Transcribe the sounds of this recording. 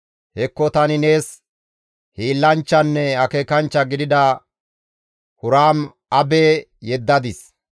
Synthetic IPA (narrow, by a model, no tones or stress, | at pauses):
hɛkːɔt̪ɐnɪne̞ːs | hiːlːɐnt͡ʃːɐnːɛɐkeːkɐnt͡ʃːɐɡɪd̪ɪd̪ɐ | hʊɾaːm | ɐbeː | jɛd̪ːɐd̪ɪs